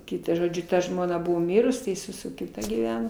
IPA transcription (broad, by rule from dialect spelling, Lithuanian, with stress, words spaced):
ˈkʲɪtɑː ʒoːˈd͡ʒʲʊ ˈtɐ ˈʒmoːnɐ ˈbʊʋoː ˈmʲɪrʊs tɐɪ ɪˈsɐɪ sʊ sʊ kʲɪˈtɐ ɡʲiːˈʋʲæːnoː